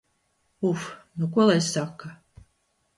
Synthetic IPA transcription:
ufnukuɔlˠajssakːa

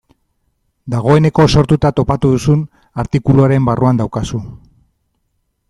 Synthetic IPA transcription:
d̪aɣ̞o̞e̞ne̞ko̞so̞ɾt̪ut̪at̪o̞pat̪uðusun | aɾt̪ikuluaɾe̞mbaruand̪awkasu

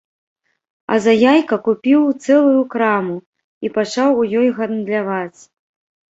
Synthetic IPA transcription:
ɐ̰zajajkɐkupʲiwt̪sɛlˠujukɾamu | ipat͡ʂawujɔjɣɐnd̪lʲavat͡sʲ

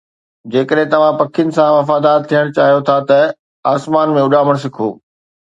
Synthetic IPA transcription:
d͡ʑeːkəɗɦɪ̃t̪ɐʋ̤ãpɐkʰɪjənɪ̆sãʋɐfaːd̪aːɾ̚t̪ʰijəɽ̃t͡ɕaːɦijot̪ʰat̪ɐ | aːsmaːnmẽʊɗaːməɽ̃s̬ɪkʰo̰ː

